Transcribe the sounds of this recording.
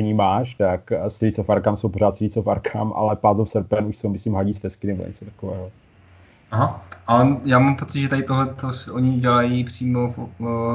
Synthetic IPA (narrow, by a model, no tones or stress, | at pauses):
ɲiːmaːʃt̪akst̪ɾisofaɾkamsowpoɾaːt̪st̪ɾit͡sofaɾkʰa̰mʔa̰lɛpaːzofsɛɾpɛnuʃsowmɪsliːmɦaɟist̪ɛskɪnɛbo̰ɲɛ̰t͡sot̪ḁkovɛ̰ːɦo | aɦaʔalɛjaːmampot͡sɪt̪ʒɛt̪adɪt̪oɦlɛt̪osɛʔoɲɪɟɛlajiːpr̝̥iːmof